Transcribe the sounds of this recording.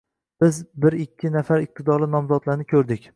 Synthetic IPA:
bɪzbɪɾɪkʲʰːɪnafaɾɪq̚t̪ʰɪd̪ɒɾlɪnɒmzɒt̪laɾnɪkʰɵɾd̪ɪkʲ

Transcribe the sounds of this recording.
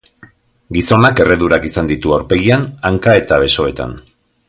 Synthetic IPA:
ɡiso̞nake̞re̞ðuɾakisand̪it̪uawɾpe̞ɣ̞ianaŋkae̞t̪aβe̞so̞e̞t̪a̰n

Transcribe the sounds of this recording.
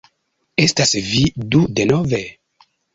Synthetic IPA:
estasvidudenove

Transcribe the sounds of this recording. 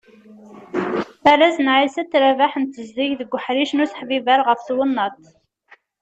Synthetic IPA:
æɾæzənʕisæt̪ːɾævaħənt̪ːəzd̪iʝðəɡʷːħɾiʃnusə̥ħvivæɾʁəfθwənːɑt̪

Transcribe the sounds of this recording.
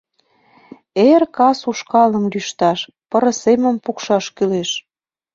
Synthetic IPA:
erkɑsuʃkɑlə̆mlyʃt̪ɑʃ | pɤ̆ɾə̆semə̆mpukʃɑʃkyleʃ

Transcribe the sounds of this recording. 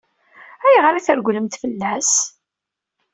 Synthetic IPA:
æjʁaɾæθəɾɡʷləmt̪fəlːæs

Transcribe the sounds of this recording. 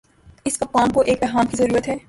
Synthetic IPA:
ɪspɐkaːmkoʔeːk̚bɛɦaːnkizɐɾuːɾət̪ɦɛː

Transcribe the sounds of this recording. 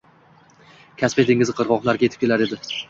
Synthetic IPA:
kʲʰasped̪eŋɪzqʰɨɾʁɒqlˠaɾɡʲaet̪ɪ̥p̚kʲe̞laɾe̞d̪ɪ

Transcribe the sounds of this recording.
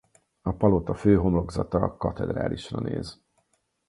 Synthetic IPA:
ɒpɒlot̪ɒføːɦo̞mlo̞ɡzɒt̪ɒkɒt̪ɛd̪ɾa̰ːlʔiʃrɒ̰nḛːz

